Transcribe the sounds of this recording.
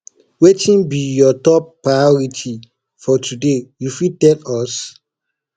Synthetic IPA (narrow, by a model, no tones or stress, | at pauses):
wetĩnbijɔtɔpːɹaɪɔɹitʰi | fɔtʰudejufitɛ̃nɔs